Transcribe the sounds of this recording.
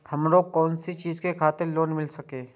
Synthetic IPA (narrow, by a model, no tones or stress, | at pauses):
hɐmɾoːɡkɔːnsit͡ʃiːzkekʰaːt̪ɪɾloːnmɪlsɐkeː